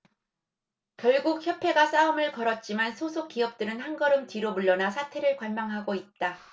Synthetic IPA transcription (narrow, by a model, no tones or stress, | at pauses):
kjʌɭɡuk̚çjʌpʰe̞ɡas͈aɯmɯɭkʌɾʌt̚t͡ɕ͈imansʰosʰok͈iʌp̚t͈ɯɾɯnhanɡʌɾɯmtɥiɾomuɭːʌnasʰatʰe̞ɾɯɭkwaɭmaŋɦaɡoit̚t͈a